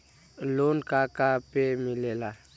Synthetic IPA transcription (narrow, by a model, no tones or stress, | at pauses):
lonkakapemilela